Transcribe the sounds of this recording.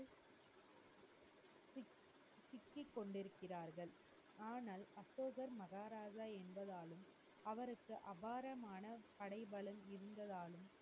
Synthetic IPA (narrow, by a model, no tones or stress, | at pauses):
sɪkːɪkːɔɳɖɪɾɯkːɪraːɾɣɐɭ | aːnaːlɐsoːɣɐɾmɐɣaːɾaːd͡ʒaɛnbɐðaːlɯm | ɐʋɐɾɯkːɯʔɐbaːɾɐmaːnɐpɐɽɐɪbɐɭɐmɪɾɯnd̪ɐðaːlɯm